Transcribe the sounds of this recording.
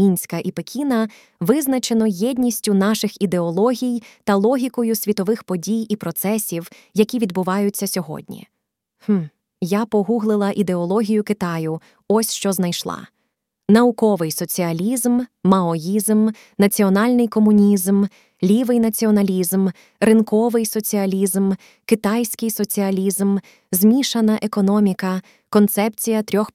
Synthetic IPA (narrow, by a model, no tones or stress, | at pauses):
mʲinʲsʲkɐʔipekʲinɐ | ʋɪznɐt͡ʃenɔjɛdʲnʲisʲtʲʊn̪ɑʃɪxid̪e̞ɔlˠɔɦʲijt̪ɐlˠɔɦʲikɔjʊsʲʋʲit̪ɔʋɪxpɔdʲijipɾɔt̪sɛsʲiw | jɐkʲiʋʲid̪bʊʋɑjʊt͡sʲːɐsʲɔɦɔ̰dʲnʲḭ | h̩ | japɔɦuɦlˠɪlˠɐʔid̪e̞ɔlˠɔɦʲijʊkɪt̪ɑjʊ | ɔsʲʃt͡ʃɔznɐjʃlˠɑ̰ | nɐʊkɔʋɪjsɔt͡sʲiɐlʲizmːɐɔjizm | nɐt͡sʲiɔnɑlʲnɪjkɔmʊnʲizm | lʲiʋɪjnɐt͡sʲiɔnɐlʲizm | rɪnkɔʋɪjsɔt͡sʲiɐlʲizm | kɪt̪ɑjsʲkɪjsɔt͡sʲiɐlʲizm | zmʲiʃɐnɐʔekɔnɔmʲikɐ | kɔnt̪sɛp̚t͡sʲijɐt̪ɾʲɔx